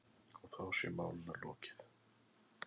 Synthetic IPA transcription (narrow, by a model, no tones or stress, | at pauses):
ɔɣθawsɛ̰ɾma̰ːwlɪnalɔ̰ːcɪ̥θ